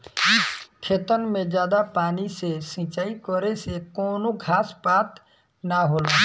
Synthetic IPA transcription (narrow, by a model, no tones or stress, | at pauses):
kʰet̪ənmẽd͡ʒjaːd̪apaːnisesĩt͡ʃaːikɔɾesekoːnoɡʱaːspaːt̪ | naɦola